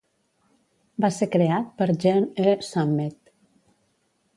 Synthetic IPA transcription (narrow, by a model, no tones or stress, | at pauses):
baseɾkɾeat̪̚pəɾʒɛnesamːet̪